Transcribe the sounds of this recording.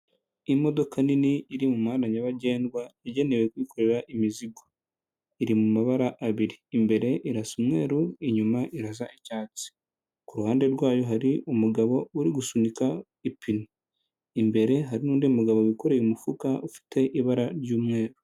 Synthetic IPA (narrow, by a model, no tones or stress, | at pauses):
imo̞do̞kʰaniniːɾimumanaɲaβaɟe̞ːndɡwaiɟe̞ne̞we̞kwiːkʰo̞ɾe̞ɾaʔimiziɡo | iɾimumaβaɾaʔːβiɾiːmbe̞ɾe̞ʔiɾasumŋe̞ːɾuiɲumaʔiɾazaicaːt͡si̥ | kuɾuhaːnde̞ɾɡwaːjo̞ɦaɾiumuɡaβo̞uɾiɡusunika | ipino | imbe̞ɾe̞ɦaɾinuːndiumuɡaβowiko̞ɾejumufukaʔufi̥tʰe̞ʔiβaɾaɾɟuːmŋe̞ːɾu̥